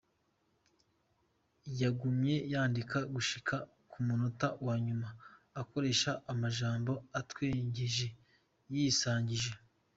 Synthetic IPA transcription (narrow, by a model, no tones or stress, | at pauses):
jaɡumje̞jaːndikaɡuʃikʰa | kumunotawaːɲumaːko̞ɾe̞ʃaʔːmaʒaːmbo̞atweːɲɟeʒe̞ | jiːsaːɲɟiʒe